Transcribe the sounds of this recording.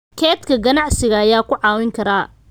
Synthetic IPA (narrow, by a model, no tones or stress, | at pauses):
kʰɛːt̪kʰɐɡɐnɑʕsɪɣɐːjaːkʰʊʕɑːwɪŋkʰɐɾaː